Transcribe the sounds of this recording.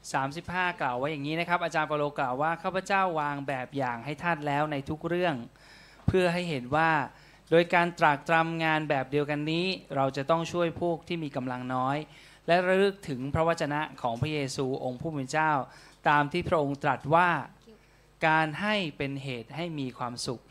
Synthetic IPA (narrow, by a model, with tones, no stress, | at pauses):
saː˩˦msi˨˩p̚haː˥˩klaː˨˩wa˦˥jaː˨˩ŋːiː˦˥na˦˥kʰa˦˥p̚ʔa˧t͡ɕaː˧npaː˧loː˧klaː˨˩wːaː˥˩kʰaː˥˩pʰa˧˥˩t͡ɕaː˥˩wːaː˧ŋbɛː˨˩p̚jaː˨˩ŋɦa˥˩jt̪ʰaː˥˩t̪̚lɛː˦˥wna˧jt̪ʰu˦˥k̚ɾɯ˥˩əŋ | pʰɯ˥˩əɦa˥˩jɦe˨˩˦nwaː˥˩ | doː˧jkaː˧nt̪ɾa˨˩k̚t̪ɾa˧mŋaː˧nbɛː˨˩p̚di˧əwka˧nːiː˦˥ɾa˧wt͡ɕa˨˩t̪ɔ˥˩ŋt͡ɕʰu˥˩əjpʰuː˥˩k̚t̪ʰiː˥˩miː˧ka˧mla˧ŋnɔː˦˥j | lɛ˦˥ɾa˦˥ɾɯ˦˥k̚t̪ʰɯ˩˦ŋpʰɾa˦˥wa˦˥t̪̚t͡ɕːa˧na˦˥kʰɔː˩˦ŋpʰɾa˦˥jeː˧suː˧ʔo˧ŋpʰuː˥˩pe˧nt͡ɕaː˥˩wt̪aː˧mt̪ʰiː˥˩pʰɾa˦˥ʔo˧ŋt̪ɾa˨˩t̪̚waː˥˩ | kaː˧nɦa˥˩jpe˧nɦeː˨˩t̪̚ha˥˩jmiː˧kʰwaː˧msu˨˩k̚